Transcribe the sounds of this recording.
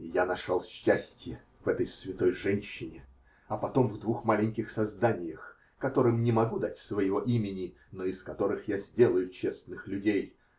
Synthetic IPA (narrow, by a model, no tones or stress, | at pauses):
janɐʂalˠɕːæsʲtʲjɪ | v̥ɛt̪əjsvʲɪt̪o̞jʐɛnʲɕːɪnʲɪ | ɐpɐt̪o̞mvd̪vuxmalʲɪnʲkʲɪxsɐzd̪anʲɪjəx | kɐt̪o̞ɾɨmnʲɪmɐɡud̪atʲsvəjɪvo̞ʔimʲɪnʲɪ | noɪskɐt̪o̞ɾɨxjazʲdʲe̞lˠəjʊt͡ɕe̞snɨxlʲʉdʲej